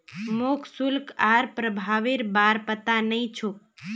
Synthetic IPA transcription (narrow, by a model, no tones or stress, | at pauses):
mokʰsulkaɾpɾəbʱaʋeɾbaɾpət̪anəĩt͡ʃʰu